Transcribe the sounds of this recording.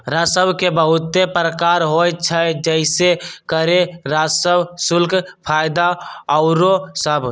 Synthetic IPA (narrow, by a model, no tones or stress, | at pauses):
ɾasəbkebəɦʊt̪ːepɾəkaɾɦojt͡ʃʰəd͡ʒəɪsekəɾeɾasəsʊlkʰpʰajd̪aəʊɾosəbʱ